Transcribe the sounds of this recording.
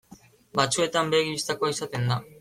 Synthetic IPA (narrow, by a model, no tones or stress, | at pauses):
bat͡sue̞t̪ambe̞ɣiβist̪akoaisat̪e̞nd̪a